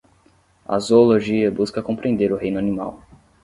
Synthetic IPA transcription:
ɐ̰zooloʒiɐbuskɐkõpɾẽnd̪eɾʊɦẽj̃nʊanima̰w

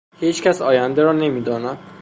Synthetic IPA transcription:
hiːt͡ʃcʲʰæsɒːjænd̪eɾɒːne̞miːd̪ɒːnæm

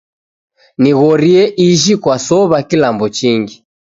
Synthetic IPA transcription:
niɣɔɾiɛʔiʒikwasɔβakilambɔt͡ʃiŋɡi

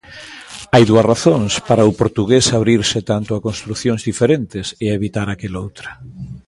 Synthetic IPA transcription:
ajðuɐsraθoŋspaɾaʊpoɾt̪uɣesaβɾiɾsɪt̪ant̪ʊakõnst̪ɾuθjõŋzðifeɾent̪ɪseeβit̪aɾakelowt̪ɾɐ

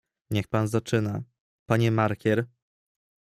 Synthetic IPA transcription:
ɲɛxpanzat͡ʂɘna | paɲɛmaɾkʲɛɾ

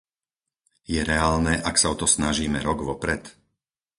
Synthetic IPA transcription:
jɛɾɛaːlnɛːʔaksaɔt̪ɔsnaʒiːmɛɾɔɡʋɔpɾɛt̪

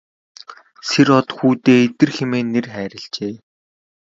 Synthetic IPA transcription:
serɔt̪xuːt̪eːet̪ɘ̆rxemeːnːerχæːɾʲə̆ɮt͡ɕeː

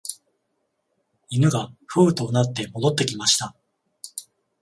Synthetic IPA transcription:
inɯ̟ɡaɸɯ̟ːt̪o̞ːnat̪ːe̞mo̞d̪o̞t̪ːe̞kʲimaɕi̥t̪a

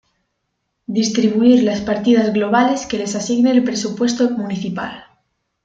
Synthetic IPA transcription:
d̪ist̪ɾiβuiɾlaspaɾt̪iðazɣlo̞β̞ale̞ske̞le̞sasiɣneːlpɾe̞supwe̞st̪omuniθipa̰l

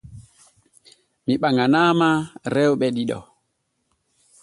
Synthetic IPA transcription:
miɓaŋanaːmaɾɛwɓɛɗiɗɔ̰

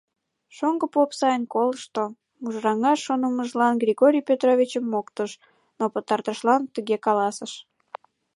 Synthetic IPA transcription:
ʃoŋɡəpopsɑjənkolʃt̪o | muʒrɑŋɑʃːonəməʒlɑnɡrʲiɣoɾʲijpʲøt̪rovʲit͡ɕəmːokt̪əʃ | nopət̪ɑrt̪əʃlɑnt̪yɣekɑlɑsəʃ

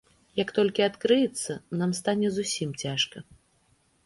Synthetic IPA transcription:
jɐkt̪ɔlʲkʲiat̪kɾɨjɛt̪sːɐnamst̪anʲɛzusʲimt͡sʲaʂkɐ

